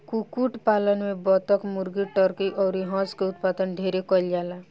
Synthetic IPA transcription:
kukuʈpalənmẽbɔt̪əkmuɾɡiʈɔɾkiʔɔːɾiɦɔ̃skeʊt̪pad̪ənɖʱeɾekɔld͡ʒaːla

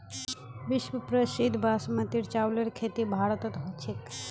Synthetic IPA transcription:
ʋɪʃʋəpɾəʃid̪ʱbʱasmɐt̪iɾt͡ʃawleɽkʰet̪ibʱaɽət̪ɔt̪ɦot͡ʃʰek

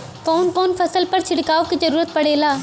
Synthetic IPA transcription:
koːnkoːnfʰɐsəlpɐɾt͡ʃʰɪɽkaːokizɐɾuːɾət̪̚pɐɽeːlaː

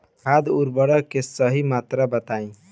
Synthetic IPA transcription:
ad̪uɾbəɽəkesəɦimat̪ɾəbət̪aĩ

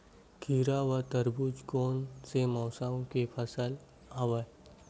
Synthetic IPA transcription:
kʰiːɾaʋət̪əɾbud͡ʒkoːnsemɔːsaːõkepʰəsəl | aʋə

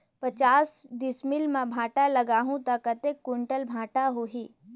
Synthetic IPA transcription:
pɐt͡ʃaːsɖɪsmɪlmãbʱãːʈalɐɡaːɦũt̪ɐkɐt̪ekːʊɳʈəlbʱãːʈaɦoɦiː

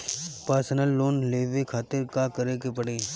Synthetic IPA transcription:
paːɾsənəlːoːnleːʋekʰaːt̪ɪɾkakəɾekepɐɽeː

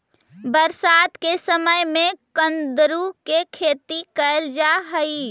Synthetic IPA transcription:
bəɾsat̪kesəməjmẽkənd̪ɾukekʰet̪ikəeld͡ʒaɦəi

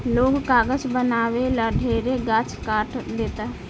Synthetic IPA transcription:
loːɡkaːɡəd͡ʒbənaːweləɖʱeːɾeɡaːt͡ʃkaːʈd̪eːt̪a

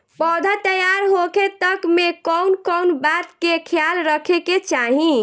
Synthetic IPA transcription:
bɔd̪ʱat̪əjaɾɦoket̪əkmekəwnkəwnbat̪kekʰjalɾəkʰeket͡ʃaɦĩ

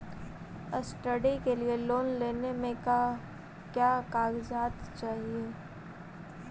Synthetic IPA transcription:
əsʈəɖikelieloːnleːnemẽ | kjaːkaːɡd͡ʒaːt̪t͡ʃaːɦie

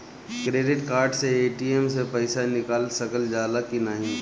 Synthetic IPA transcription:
kɾeːɖɪʈkaːɾɖseeːʈieːmsepɐɪsanɪkaːlsɐkəld͡ʒaːlakinaɦĩ

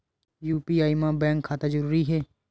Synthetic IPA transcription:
juːpiːaːimãːbɛ̃ːŋkʰːaːt̪ad͡ʒəɾuːɾiɦɛː

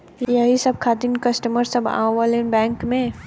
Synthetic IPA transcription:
jjɐɦisɐb̚kʰaːd̪inkɐsʈəməɾsɐba̰ːʋaːlenbɛ̃ːŋkmẽ

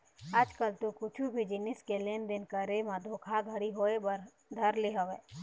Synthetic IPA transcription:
ad͡ʒkəlt̪okʊt͡ʃʰubʱid͡ʒɪnɪskeleːnd̪ɪnkəɾemãd̪ʱokʰaɡʱəɽiɦoːebəɾ | d̪ʱɐɾleɦəʋeː

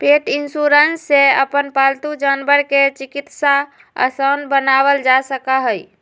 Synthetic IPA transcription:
peʈinsuɾənsːeəpənpalt̪ud͡ʒanbəɾket͡ʃikit̪sa | ə̰sənbənaʋəld͡ʒasəkaɦəj

